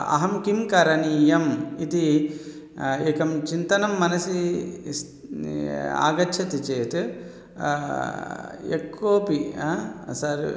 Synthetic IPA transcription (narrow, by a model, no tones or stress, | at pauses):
ɐ̰ɦɐmkimkɐɾɐniːjɐmit̪i | eːkɐmt͡ʃint̪ɐnɐmːɐnɐsi | a̰ːɡɐt͡ʃʰɐt̪it͡ʃeːt̪u | ekːuʋɐpiaːsɐɾ